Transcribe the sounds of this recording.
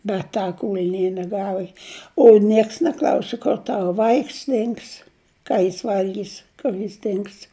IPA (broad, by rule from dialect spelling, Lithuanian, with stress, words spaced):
bʲɛt ˈtɐ ˈkuːlʲnʲiɛnʲiɛ ˈɡɑːʋɐ oː ˈnʲiɛks nʲɛˈklˠɐʊsʲɪ kʊr ˈtɑːʋɐ ˈʋɐɪks ˈdʲɪŋks ˈkɑː jɪs ˈʋɐlʲɡʲiːs kʊr jɪs ˈdʲɪŋks